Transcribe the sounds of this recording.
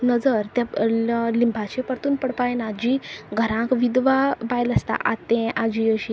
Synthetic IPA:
nəd͡zəɾt̪jalimbʱat͡ɕepəɾt̪uːnpəɽpajnad͡ʑiɡʱəɾãkʋid̪ʋabajləst̪a̰ʔa̰t̪ːẽʔad͡ʑiəɕi

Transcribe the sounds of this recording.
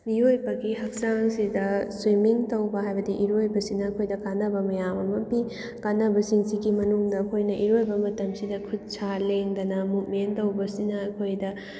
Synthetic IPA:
mijojbɐɡihɐk̚saŋsidɐswimiŋtɐwbɐɦajbɐdiʔiɾojbɐsinɐːkʰojdɐkanːɐbɐmɐjamɐmɐpi | kanːɐbɐsiŋsiɡimɐnuŋdɐɐkʰojnɐʔiɾojbɐmɐtɐmsidɐkʰud̚sʰaleŋdɐnɐmut̚mentɐwbɐsinɐːkʰojdɐ

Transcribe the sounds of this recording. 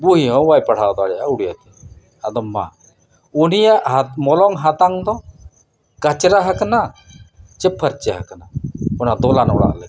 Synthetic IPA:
buɦiɦɔ̃wajpaɽ̤ad̪ɔaɽjaʔuɽijat̪i | ad̪ɔmːa̰ | unijaʔɦamɔlɔŋɦat̪aŋd̪ɔ | kat͡ʃɾaɦakana | t͡ʃɛpʰːəɾt͡ʃaɦaknaɔnad̪ɔlanɔɽa̰ʔlɛ

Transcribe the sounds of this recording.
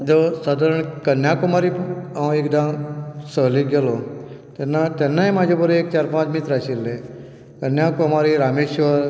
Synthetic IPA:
d͡ʒosad̪əɾəɳ̃kənjaːkumaːɾĩek̚d̪amsəɦliɡelo | t̪enat̪enːaẽmãːd͡ʒebəɾueːk̚t͡ʃaːɾpãːt͡ʃmit̪ɾasilːe | kənjaːkuɐmaːɾiɾaːmeːʃʋəɾ

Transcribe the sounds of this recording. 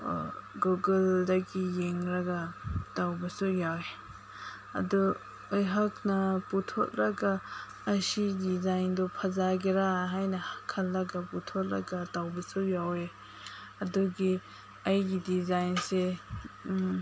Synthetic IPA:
ɡuɡəldaɡijeŋɾaɡatawbasɔjawe | ɐ̰dɔ | əjɦak̚naputʰɔ̰t̚ɾaɡaː | sidizajndɔpʰazaɡeɾaɦajnahakʰːalːaɡaput̪ʰɔt̚ɾa̰ɡatawbisɔjawe | ɐdɔɡi | ajɡidizajnse

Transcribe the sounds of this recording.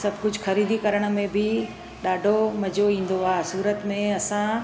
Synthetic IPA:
sɐbʱkʊd͡ʑʱxɐɾiːd̪ʱikɐɾəɽ̃ə̆mẽbɪ | ɗaːɖʱomɐd͡ʑʱoĩːn̆d̪oaːsuːɾət̪mẽɐsã

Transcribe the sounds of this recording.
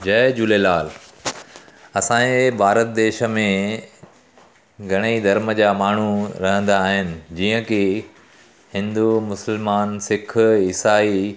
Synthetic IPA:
d͡ʑɐːd͡ʑuːlelaːl | ɐsãːebʱaːɾət̪̚d̪eːʃə̆mẽ | ɡʱɐɽ̃eid̪ʱɐɾməd͡ʑaːmaːɳ̤uɾɐɦə̃nd̪aːɦɪnɪ̆d͡ʑiːə̃ki | hɪ̃nd̪umʊsəlmaːnsɪkʰɪsaːi

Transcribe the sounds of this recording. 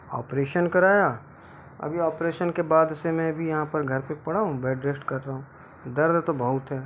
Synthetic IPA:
ɔ̰ːpɾeːʃənkɐɾaːjaː | ɐ̰bʱiaːpɾeːʃənkebaːd̪semɛ̃bʱijɐɦãpɐɾɡʱɐɾpepɐɽaːɦũbɛːɖɾeːsʈkɐɾːaːɦũː | d̪ɐɾd̪t̪obʱɐɦʊt̪ɦɛː

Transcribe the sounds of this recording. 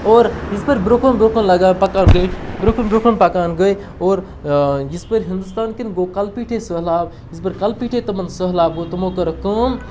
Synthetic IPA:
ɔːɾd͡ʒispəɾbɾokʰənbɾokʰənlɐɡanpɐkaːnɡəjʈʰbɾokʰənbɾoːkʰənpɐkaːnɡəj | ɔːɾ | d͡ʒispəɾɦĩnd̪ust̪aːnkinɡokɐlpiːʈʰesəɦlaːb | ispəɾkɐlpiːʈʰet̪ɐmənsəɦlaːb̚ɡot̪ɐmõkəɾɐkəm

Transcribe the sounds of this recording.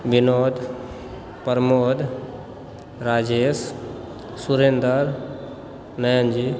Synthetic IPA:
ʋinoːd̪ | pəɾmoːd̪ | ɾaːd͡ʒeːs | suɾeːnd̪əɾ | nəjənd͡ʒi

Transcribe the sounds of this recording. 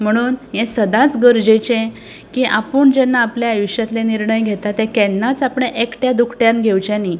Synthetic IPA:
m̤əɽ̃uːnjẽsəd̪at͡sɡəɾd͡ʑet͡ɕẽ | kiʔapuːɳd͡ʑɛnːaːpljaːjuɕjat̪leniɾɳəjɡʱet̪at̪ɛ̃kɛnːat͡sapɽeʔekʈjad̪ukʰʈjãnɡʱewt͡ɕẽni

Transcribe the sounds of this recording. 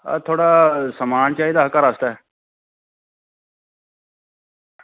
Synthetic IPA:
a̰t̪ʰoːɽaːsəmaːnt͡ʃaːiːd̪aːɦəkaɾaːst̪aɦɛ

